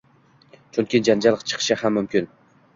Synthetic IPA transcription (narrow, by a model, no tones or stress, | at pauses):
t͡ʃʰʊŋkʲʰɪd͡ʒand͡ʒalˠqt͡ʃʰɨ̥qʰɨ̥ʃahamːʊmkʲʰɪn